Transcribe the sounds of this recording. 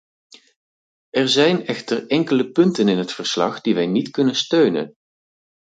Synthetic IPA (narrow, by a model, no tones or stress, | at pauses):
ʔɛɹzɛjnɛχtərɛŋkələpɵntənɪnɦətfəɹslɑ̰χd̥iʋɛjnitkɵnənstøɥnə̰n